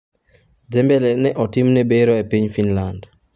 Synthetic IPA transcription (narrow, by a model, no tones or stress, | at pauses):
d͡ʒɛmbɛlɛnɛʔɔtɪmnɛbeɾɔepiɲfinland